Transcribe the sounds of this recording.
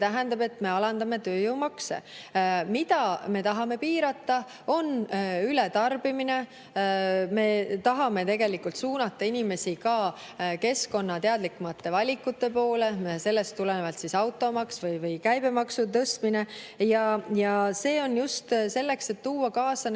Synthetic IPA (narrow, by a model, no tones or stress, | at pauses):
set̪æɦænd̪ɑbe̞t̪ːme̞ɑlɑnd̪̥ɑme̞t̪ø̞ːjuwmɑksḛmit̪ɑme̞t̪ɑɦɑme̞piːɾɑt̪ːˑɑ | o̞nylet̪ɑrb̥imine̞ | me̞t̪ɑɦɑme̞t̪e̞ɡe̞likult̪suːnɑt̪ːˑɑinime̞sikɑː | ke̞sko̞nːɑt̪eɑd̪̥likːumɑt̪ːe̞vɑlʲikːˑut̪ːe̞po̞ːle̞mese̞lːe̞st̪ːulenevɑlt̪sisɑwt̪ːˑo̞mɑksvɯjvɯjkæjb̥e̞mɑksut̪ɤst̪mine̞jɑjɑse̞ːo̞njust̪se̞lːe̞kse̞t̪ːuːɑkɑːsɑn